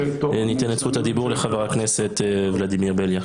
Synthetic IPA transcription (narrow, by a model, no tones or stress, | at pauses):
nit̪ɛnet͡sχut̪had̪ibuʁleχaveʁakneset̪vlad̪imiʁbelja